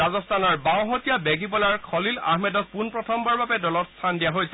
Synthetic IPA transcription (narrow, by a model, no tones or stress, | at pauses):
azɔstanɔɹbaw̃ɦotijabɛɡipɔlaɹkʰɔlila̰ɦmɛdɔk̚punpɹɔtʰɔmbaɹbabɛdɔlɔtst̪ʰandijaɦojsɛ